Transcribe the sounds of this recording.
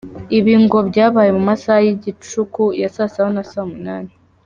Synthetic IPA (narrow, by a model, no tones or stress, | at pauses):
iβiːŋɡo̞bɟaːβaːjemumasahajiɟit͡ʃukujasasahonasaːmunaːni